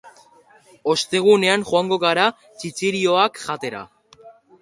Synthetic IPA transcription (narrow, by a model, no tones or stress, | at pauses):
o̞st̪e̞ɣ̞une̞aŋxoaŋɡo̞ɣaɾa | t͡ʃit͡siɾio̞akʝat̪e̞ɾa̰